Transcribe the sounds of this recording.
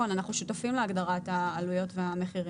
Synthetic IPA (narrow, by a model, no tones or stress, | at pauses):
onanaχnuʃutafimleaɡdaʁathaːlujo̞tveame̞χiʁ